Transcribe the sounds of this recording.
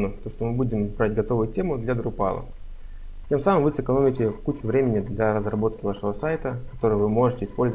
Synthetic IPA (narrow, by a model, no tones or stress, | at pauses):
nʊt̪oʂt̪omɨbudʲɪmbɾaɪt̚ʲɡɐt̪o̞vʊjʊtʲe̞mʊd̪lʲɐd̪ɾʊpa̰lˠə̰ | tʲe̞msamɨmvɨsɨkɐno̞mʲɪtʲɪkut͡ɕʊvɾʲemʲɪnʲɪd̪lʲɐɾəzrɐbo̞t̪̚kʲɪvaʂɨvəsajt̪əkɐ̥t̪o̞ɾɨjvɨmo̞ʐɨtʲɪspo̞lʲz